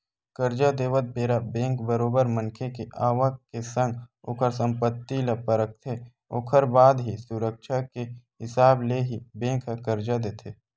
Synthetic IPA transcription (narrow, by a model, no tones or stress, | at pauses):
kəɾd͡ʒad̪eːʋət̪̚beːɾabẽːŋkbəɾoːbəɾmə̃nkʰekeʔaːʋakesə̃ŋɡoːkʰəɾsə̃mpət̪ːilɐpəɾək̚t̪ʰe | oːkʰəɾbaːd̪ɦisʊɾəkʃakeɦɪsaːbleɦibẽːkʰəkəɾd͡ʒad̪eːt̪ʰeː